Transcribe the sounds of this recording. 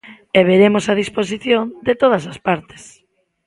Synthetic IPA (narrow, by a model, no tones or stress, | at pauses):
eβ̞eɾemosað̞ispos̬iθjond̪et̪oð̞ɐsaspaɾt̪ɪ̥s